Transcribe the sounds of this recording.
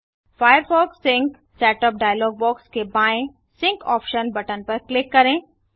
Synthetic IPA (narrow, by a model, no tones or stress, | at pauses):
faːjəɾfɔːksːɪ̃ŋk | sɛːʈəp̚ɖaːjəlɔːɡ̚bɔːkskebaːẽ | sɪ̃ŋkɔ̰ːpʃənbɐʈənpɐɾklɪkːɐɾẽː